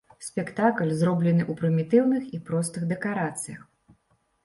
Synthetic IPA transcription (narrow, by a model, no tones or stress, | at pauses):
sʲpʲɛkt̪aklʲzrɔblʲɛnɨʔupɾɨmʲit̪ɨwnɨxipɾɔst̪ɨɣd̪ɛkaɾat̪sɨjɐ̰x